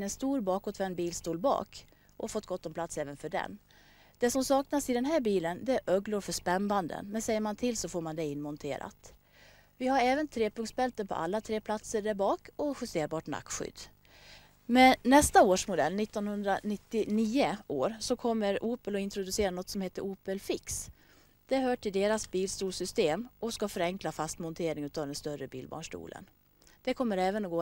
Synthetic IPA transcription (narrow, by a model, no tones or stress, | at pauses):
nɛnst̪uːɾbɑːkɔt̪vɛnbiːlst̪uːlbɑ̰ːk | ʔɔfɔt̪ːɡɔt̪ːɔmpʰlat̪sɛːvənfœɖɛ̰n | d̪̥ɛsɔmsɑːknasɪd̪ɛnɦæːɾbiːlənd̪ɛæɾʔœɡlʊɾfœʂpɛmband̪ə̰nmɛnsɛjːəɾmant̪ʰɪlsɔfoːɾmand̪ɛɪnːmɔnt̪ʰḛːɾa̰t̪ | vɪhaɾɛːvənt̪ʰɾeːpɵŋksbɛlt̪əpʰɔ̰ʔa̰lːat̪ʰɾeːpʰlat̪səɖæɾbɑːkɔɧʏst̪eːɾbɑːʈna̰kːɧʏ̰d̪ː | mɛnːɛst̪aoːʂmʊd̪ɛlːnɪt̪ːɔnhɵnd̪ɾanɪt̪ːɪniːəʔoːɾsɔkʰɔmːəɾuːpəlɔɪnt̪ɾʊd̪ɵseːɾanɔt̪ːsɔmheːt̪əɾuːpəlfɪks | d̪̥ɛhœːʈʰɪld̪eːɾasbiːlst̪uːlsʏst̪eːmɔskafœɾɛŋklafast̪mɔnt̪ʰeːɾɪŋʉ̟ːt̪ɑːvd̪ɛnst̪œɾəbḭːlbɑ̰ːɳʂʈṵːlʔə̰n | d̪̥ɛkʰɔmːəɾɛːvənɔɡoː